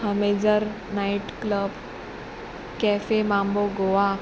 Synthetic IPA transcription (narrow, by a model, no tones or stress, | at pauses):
həmed͡zəɾ | naiʈkləb | kɛfemãmboɡoʋa